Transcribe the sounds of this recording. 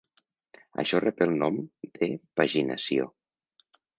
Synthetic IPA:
a̰ʃɔrɛpelˠnɔmd̪̥epaʒina̰sio̰

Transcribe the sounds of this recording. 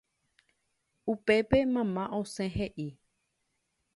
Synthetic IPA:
upe̞pe̞mãmãʔõsẽɦeʔi

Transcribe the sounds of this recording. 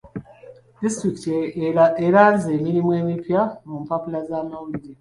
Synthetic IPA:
d̥istɾikit | eɾaze̞ːmiɾimwe̞ːmipjamumpapulazaːmawuɾiɾe

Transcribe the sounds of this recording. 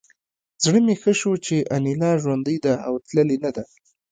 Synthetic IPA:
zɽəmexəʃot͡ʃeʔanilɑʒwand̪əjd̪aawt̪ləlenad̪a

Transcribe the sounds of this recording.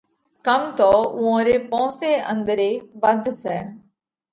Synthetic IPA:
kəmt̪oːʊãːɾeːpɔ̃ːseːʔə̰̃nd̪əɾeːbənd̪ʱsɛː

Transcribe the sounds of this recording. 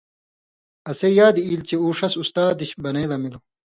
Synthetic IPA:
ɐsejaːd̪iːlt͡ɕeuːʂɐsust̪aːd̪iɕbɐneːlɐmilo

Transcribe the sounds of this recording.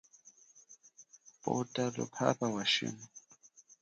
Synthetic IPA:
pʼotʼalʊpʰa̰pʼawaʃḭm

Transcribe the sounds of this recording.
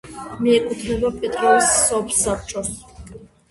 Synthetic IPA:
miɛkʼut̪ʰnɛbapʼɛt̪ʼɾɔsːɔpsap̚ʰt͡ʃʰʼɔs

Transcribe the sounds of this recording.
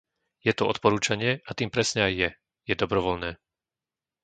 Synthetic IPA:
jɛt̪uɔt̪pɔɾuːt͡ʃaɲɪɛʔat̪iːmpɾɛsɲɛajːɛ | jɛd̪ɔbɾɔʋɔlnɛː

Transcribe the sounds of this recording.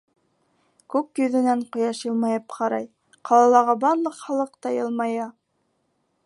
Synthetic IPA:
kʉkjɵ̆ðɘ̆næɴqŏjɑʃjɤ̆lˠmɑjɤpqʰɑɾɑj | qɑlˠɑlˠɑʁɑbɑnlˠɤqχɑlˠɤqt̪ɑjɤ̆lˠmɑjɑ

